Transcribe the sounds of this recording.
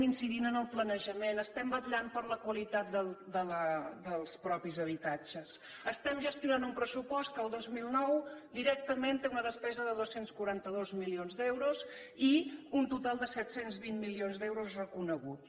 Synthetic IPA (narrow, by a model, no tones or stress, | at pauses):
insiðinənəlˠplənəʒəmenəst̪ɛmbət̪ʎampəɾləkwəlit̪at̪̚d̪əd̪ələd̪əlˠspɾɔpizəβ̞it̪at͡ʃəs | əst̪ɛmʒəst̪junanumpɾəsupɔst̪̚kəlˠd̪ozmilˠnɔwd̪iɾɛk̚t̪əment̪eunəðəspɛzəðəðosenskuɾant̪əðozmilionzd̪ɛwɾuz | iunt̪ut̪alˠd̪əsɛt̪senzβinmilionzd̪ɛwɾuzrəkunəɣut̪